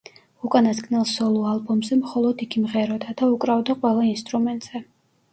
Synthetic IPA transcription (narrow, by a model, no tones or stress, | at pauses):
ukʼanaskʼnɛlˠsɔlˠualˠbɔmzɛmχɔlˠɔd̪iɡimʁɛɾɔd̪ad̪aukʼɾavd̪aqʼwɛlˠainst̪ʼɾumɛnt̪ʼz̥ɛ